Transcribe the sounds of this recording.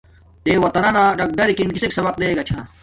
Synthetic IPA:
t̪eːwɐt̪ɐnɐnaːʈɐk̚ɖɐɾikinkiseksɐbɐq̚d̪eːɡɐt͡ɕʰa

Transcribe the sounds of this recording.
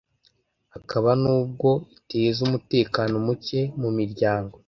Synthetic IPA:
akʰaβanuːb̚ɡo̞iteːzumute̞ːkano̞muce̞mumiɾɟaːŋɡo̞

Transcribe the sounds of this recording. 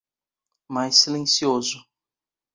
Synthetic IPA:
majsːilẽsiozʊ

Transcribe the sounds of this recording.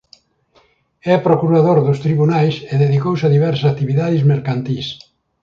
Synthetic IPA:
ɛpɾokuɾaðoɾðʊst̪ɾiβunajseðeðikowsaðiβɛɾssakt̪iβiðaðizmeɾkant̪is

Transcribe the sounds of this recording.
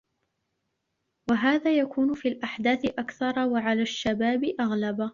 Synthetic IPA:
waɦaːðaːjakʰuːnʊfiːlʔaħd̪aːθɪʔakθɑɾˤɑwaʕalaːʃːabaːbɪʔaɣlaba

